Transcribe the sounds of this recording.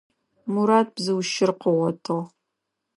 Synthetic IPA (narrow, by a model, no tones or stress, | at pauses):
muɾaːt̚bzɨwʃɪrqəʁɔtʰɨʁ